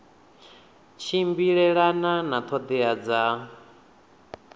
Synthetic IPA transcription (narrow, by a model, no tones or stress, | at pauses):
t͡ʃʰimbiɺɛɺananat̪ʰɔd̪ɛad͡za